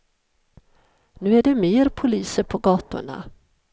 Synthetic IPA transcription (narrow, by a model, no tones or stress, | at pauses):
nʉ̟ːæɖɛmeːɾpʰʊliːsəɾpʰɔɡɑːt̪ʊ̰ɳa̰